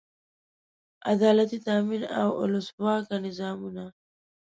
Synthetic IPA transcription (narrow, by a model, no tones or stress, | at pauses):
a̰d̪ɑːlat̪it̪aːmina̰wʊ̰lʊswɑkanɪzɑːmuna